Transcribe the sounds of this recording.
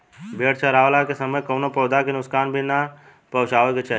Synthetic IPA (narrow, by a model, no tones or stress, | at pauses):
bʱeːɽt͡ʃʰaɾaːʋlakesəməjkəːnopɔːd̪akenʊskaːnbʱina | pɐɦʊt͡ʃaːʋeket͡ʃʰa